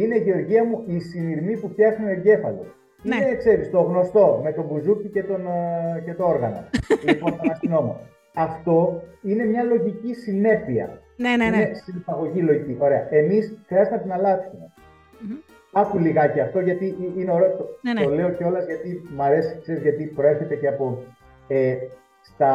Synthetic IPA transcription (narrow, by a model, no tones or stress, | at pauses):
ine̞iʝe̞o̞ɾʝiɐmuisiniɾmipupçɐzuneɟe̞fɐ̰lo̰ | inekse̞ɾist̪o̞ɣno̞st̪o̞me̞t̪o̞buzucice̞t̪o̞nce̞t̪oo̞ɾɣɐno̰lipo̞ntɐnɐst̪ino̞mo̰ | ɐft̪o̞ine̞mɲɐlo̞ʝicisine̞fiɐ̰ | ninesinipɐɣo̞ʝilo̞ʝiciʔo̞ɾe̞ɐʔe̞misxɾiɐzt̪emɐt̪inɐlɐt̪simɐ | ɐkuliɣɐceɐft̪o̞ʝɐt̪iʔine̞o̞ɾe̞ot̪oole̞oceo̞lɐzʝɐt̪imɐɾe̞si̥kse̞ɾizʝɐt̪ipɾoe̞ɾçe̞t̪eceɐpo̞ | e | st̪ɐ